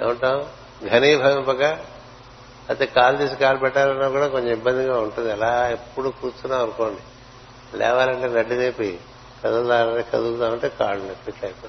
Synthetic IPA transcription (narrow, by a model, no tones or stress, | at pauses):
nḛːʋɐɳʈaːm | ɡʱɐniːbʱɐɡɐmpɐka | ɐt̪eːkaːlut̪iːs̬ikaːlupɛʈːaːlɐnːaːkuːɽaːkoɲt͡ʃɐmibːɐnd̪iɡaːuɳʈund̪iɐlaːepːuɽuːkuːtunaːɐnukoːɳɖi | lɛ̰ːʋaːlɐɳʈeːnɐɖːid̪eːpi | kɐd̪ut̪aːlɐekɐd̪ukt̪aːmɐɳʈeːka̰ːɭunɐpːiʈlɐːjpo